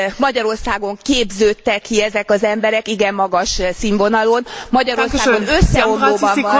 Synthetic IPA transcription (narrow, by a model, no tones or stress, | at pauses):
mɒɟɒɾo̞rsaːɡo̞ŋkeːbzøːt̪ːɛkʰːiɛzɛkɒzɛmbɛɾɛkiɡɛmːɒɡɒʃsiɱvo̞nɒlonmɒɟɒɾo̞rsaːɡo̞nø̞sːɛoloːbɒv